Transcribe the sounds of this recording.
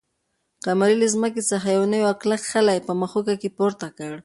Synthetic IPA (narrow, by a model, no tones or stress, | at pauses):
qamaɾɪlezməkesaxajawnajoaklakxalajpəmaxʊkakepoɾt̪akaɽ